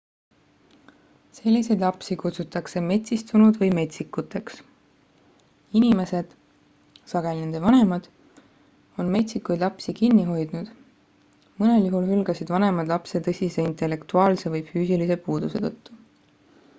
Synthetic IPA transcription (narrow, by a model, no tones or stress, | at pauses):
se̞lʲːise̞jd̪lɑpsikut̪sut̪ːˑɑkse̞me̞t̪ʲsist̪unud̪̥vɤjme̞t̪ʲsikːut̪ːe̞ks | inime̞se̞d̪̥ | sɑɡ̥e̞lʲinend̪evɑne̞mɑd̪̥ | o̞nme̞t̪ʲsikːujd̪lɑpsikinːiɦo̞jd̪̥nud̪̥ | mɤneljuɦulɦylɡ̥ɑsid̪vɑne̞mɑd̪̥lɑpse̞t̪ɤsʲise̞int̪e̞lːe̞kt̪uɑːlse̞vɤjfyːsilise̞puːd̪̥use̞t̪ɤt̪ːu̥